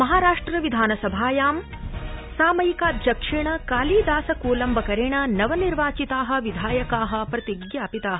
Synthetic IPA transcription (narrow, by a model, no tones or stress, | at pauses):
mɐɦaːɾaːʂʈɾɐʋid̪ʱaːnɐsɐbʱaːjaːm | saːmɐjikaːd͡ʒɐkʂiɳɐkaːliːd̪aːsɐkuːlɐmbʱɐkɐɾeːɳɐnɐʋɐniɾʋaːt͡ʃit̪aːɦɐ̆ʋid̪ʱaːjɐkaːɦɐ̆pɾɐt̪iɡjaːpit̪aːɦɐ